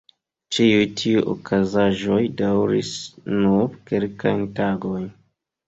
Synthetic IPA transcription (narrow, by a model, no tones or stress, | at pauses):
t͡ʃiujtʰiujʔo̰kʰazaʒo̞jdawɾisnuɾkelkajntaɡo̞jn